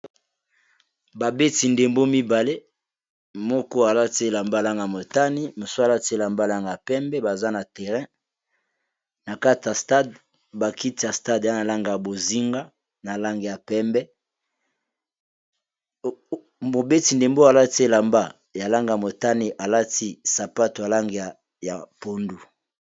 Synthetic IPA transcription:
ba˨be˦ti˨nde˨mbo˦mi˦ba˨le˦ | mɔ˦kɔ˦a˨la˦ti˦e˦˨la˨mba˦˨la˦ŋɡa˨a˨mo˨ta˦ni˦mo˨so˦a˨la˦ti˦e˦la˨mba˦˨la˦ŋɡa˨pɛ˦mbɛ˦ba˨za˦na˨tɛ˨ʁɛ̃˦ | na˨ka˦ti˨a˨sta˦d | ba˨ki˦ti˨ja˨sta˦da˦na˨la˦ŋɡa˨ja˨bo˨zi˦ŋɡa˦ | na˨la˦ŋɡe˨ja˨pɛ˦mbɛ˦ | mo˨be˦ti˨nde˨mbo˦a˨la˦ti˦e˦la˨mba˦ | ja˨la˦ŋɡa˨ja˨mo˨ta˦ni˨ʔa˨la˦ti˦sa˨pa˦to˨ja˨la˦ŋɡe˨ja˨ | ja˨po˨ndu˨

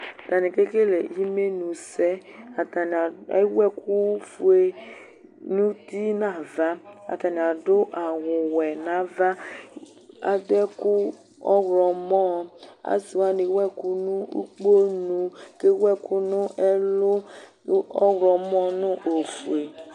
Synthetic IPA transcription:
ta˨ni˨ke˦ke˦le˨ji˦me˦nũ˨sɛ˦a˨a˨n˨˦wɛ˦ku˦fu˨e˦ | nu˦ti˦na˨va˦a̰˨ta˨ni˨a˨dʊ˦ʔa˨wʊ˨wɛ˨na˨va˦ | a̰˨dɛ˦kʊ˦ | ɔ˦ɣɾɔ˨mɔ˦˨a̰˨si˨wa˦ni˨˦wɛ˦kʊ˦nʊ˦ṵ˦k͡po˦nũ˨ke˦wɛ˦kʊ˦nʊ˦ʔɛ˦lʊ˦ | ɔ˦ɣɾɔ˨mɔ˦nʊ˦ʔo˨fu˨e˨

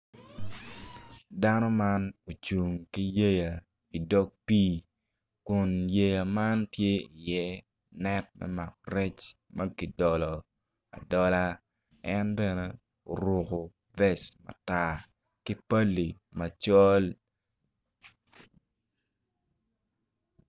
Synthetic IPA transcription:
da˦nɔ˦ma˦no˨t͡ʃu˨ŋki˦je˦ja˨ | i˨dɔ˦k̚pi˦ | kʊ˨nje˨ja˨ma˦ntje˦i˨jɛ˦ | nɛ˦t̚mɛ̰˦ma˨k̚rɛ˦t͡ʃ | mɐ˦ki˨dɔ˨lɔ˨ | a̰˨dɔ˦la˦ | ɛ˦nbɛ˦nɛ˦ | o̰˨ɾo˨ko˨ | vɛ˦smɐ̰˨ta˦ | ki˦pa˦lːi˨ | mɐ˨t͡ʃɔ˦l

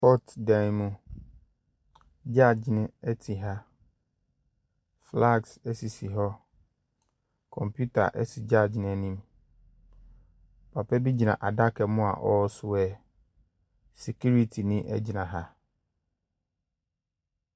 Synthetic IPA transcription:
pɔ˦tdã˨n˨mũ˦ | d͡ʑa˦˨d͡ʑnɪ̃˦ɛ˦tʰi˨ɦa˦ | fla˦˨ɡsɛ˦si˨si˨ɦɔ˦ | kʰɔ̃˨mpʰju˦tʰa̰˨ʔɛ˦si˨d͡ʑa˦˨d͡ʑnɪ̃˦ɛ˦nĩ˦m˨ | pʰa˨pʰɛ˦bi˦d͡ʑi˨nã̰˨ʔa˨da˦kʰɛ˨mʊ̃˦a̰˨ʔɔ˦sʊ˦ɛ˨ | se˨kʰu˦ɾi˦tʰi˨nɪ̃˦ʔɛ̰˦d͡ʑi˨nã˨ɦa˦

